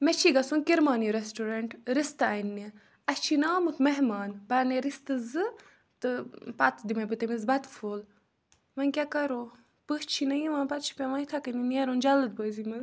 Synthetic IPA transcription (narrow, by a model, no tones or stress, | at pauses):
mɛt͡ʃʰiɡɐsunkiɾmaːniɾesʈoɾɐɳʈɾist̪ainːi | ɐst͡ʃʰinaːmɨt̪mɐɦmaːnbɐɾneɾist̪ɨzɨ | t̪ɨpɐt̪d̪imɐjbɨt̪ɐmizbɐt̪fʰoːl | mɐnkʲakɐɾoː | pəst͡ʃʰinɐjiʋãːnpɐt̪̚t͡ʃʰi̥pʲɛmɐit̪ʰɐkɐnineɾond͡ʒɐlɨd̪̚bəːzimɨz